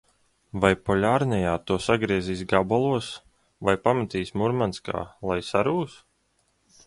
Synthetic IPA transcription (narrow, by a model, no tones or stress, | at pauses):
vajpɔlʲaːɾnʲɛjaːt̪uɔsaɡɾiɛziːsɡabalˠuɔs | vajpamat̪iːsmuɾmanska̰ːlˠajsaɾuːs